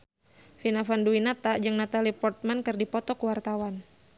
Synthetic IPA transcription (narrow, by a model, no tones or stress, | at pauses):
finafanduinat̪ad͡ʒɨŋnat̪alipɔrt̪̚mankɨrdipɔt̪ɔkuwart̪awan